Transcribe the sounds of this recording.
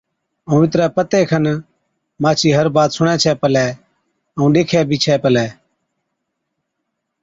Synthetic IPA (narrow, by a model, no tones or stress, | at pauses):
əũːʋɪt̪ɾɛːpət̪eːkʰən | maːt͡ʃʰiːɦəɾbaːt̪sʊɽ̃ɛ̃ːt͡ʃʰɛːpəlɛː | əũːɗeːkʰɛːbʱiːt͡ʃʰɛːpəlɛː